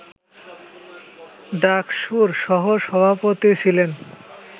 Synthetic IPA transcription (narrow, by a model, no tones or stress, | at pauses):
ɖakʃuɾʃɔɦoʃɔbʱapot̪it͡ɕʰilen